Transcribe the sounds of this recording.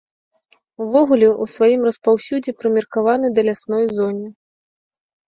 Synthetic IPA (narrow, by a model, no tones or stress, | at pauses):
uvɔɣulʲɛʔusvajimrɐspawsʲud͡zʲɛpɾɨmʲirkavanɨd̪ɐlʲasnɔjzɔnʲi